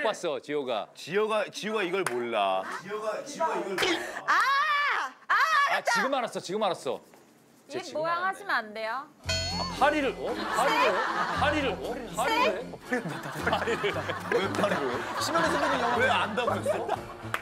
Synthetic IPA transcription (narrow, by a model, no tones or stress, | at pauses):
kpwas͈ʌt͡ɕijʌɡa̰t͡ɕiʌɡat͡ɕiuɡaiɡʌɭmoɭːa̰ | a | at͡ɕiɡɯmaɾas͈ʌt͡ɕiɡɯmaɾas͈ʌ̰ | emojaŋɦaɕʰimandejoa̰pʰaɾiɾɯɭmopʰaɾiɾɯɭpʰaɾiɾɯɭmopʰaɾiɾɯɭ | pʰaɾiɾɯɭwepʰaɾiɾoɕʰimʌnetʰenamweandaɡooso